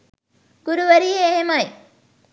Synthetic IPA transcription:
ɡ̥uɾuʋəɾiːɦeːɦemɐj

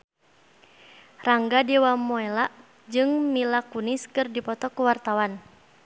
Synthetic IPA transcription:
raŋɡadɛwamɔɛlaʔ | d͡ʒɨŋmilakuniskɨrdipɔt̪ɔkuwart̪awan

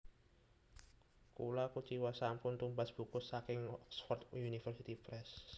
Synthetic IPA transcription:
kulakut͡ʃiwasampʊnt̪umbasb̥ukʊsːakɪŋksfɔrt̪junifərsit̪ipɾɛs

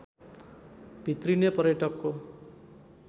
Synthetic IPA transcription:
b̥ʱit̪rinepʌrjʌʈʌkːo

